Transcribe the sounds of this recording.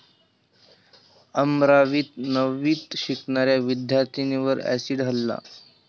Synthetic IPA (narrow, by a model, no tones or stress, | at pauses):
əmɾaʋiːt̪nəʋiːt̪ɕikɳaɾjaʋid̪ʱjaɾt̪ʰiniʋəɾæ̰siɖɦəlːa̰